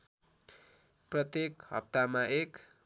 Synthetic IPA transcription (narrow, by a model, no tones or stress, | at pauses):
prʌt̪jekɦʌ̰p̚t̪amaek